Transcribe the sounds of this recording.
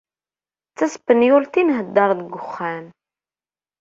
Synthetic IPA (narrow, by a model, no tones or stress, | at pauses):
t͡sːæsə̥pːənjʊlt̪inɦəd̪ːɑɾˤðəɡːʊχːæm